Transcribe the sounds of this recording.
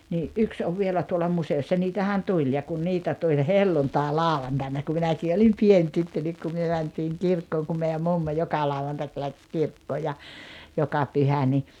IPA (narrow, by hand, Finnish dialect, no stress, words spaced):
niː ʔyks oʋ ʋielæ tuolɑ museosːɑ niːtæhæn tulʲ jɑ kun niːtæ tulʲ helːuntɑˑelɑˑuʋɑntɑˑinɑ ku minækiː olim pien tytːø nik ku myø mæntiːŋ kirkːoːŋ kum meiæm mumːo jokɑ lɑuwɑntɑk læks kirkːoː jɑ jokɑ pyhæ ni